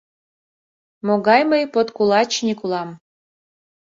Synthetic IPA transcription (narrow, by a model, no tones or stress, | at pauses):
moɣɑjməjpot̪kulɑt͡ɕnikulɑm